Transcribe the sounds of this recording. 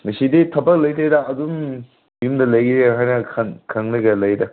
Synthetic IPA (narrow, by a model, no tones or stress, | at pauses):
ŋɐsiditʰɐbɐk̚lɐjtʰedɐɐdum | jumdɐlɐjɡɾeɦajnɐkʰɐnkʰɐŋnɐɡɐlɐjdɐ